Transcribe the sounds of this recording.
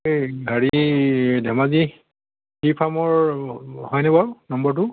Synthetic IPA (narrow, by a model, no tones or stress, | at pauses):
ɡʱaɹidʱɛmazi | hipʰamɔɹhɔjnɛbaɹʊnɔmbɔɹt̬ʊ